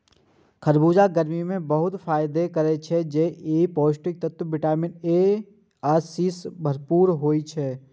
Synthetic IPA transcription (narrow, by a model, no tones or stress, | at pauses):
kʰəɾbuːd͡ʒaɡəɾmimẽbəɦʊt̪fʰaːɪd̪ekəɾet͡ʃʰɛd͡ʒeeːpoːʃʈɪk̚t̪ət̪wbɪʈaːmɪneː | aːsisbʱəɾpuːɾɦoːit͡ʃʰɛː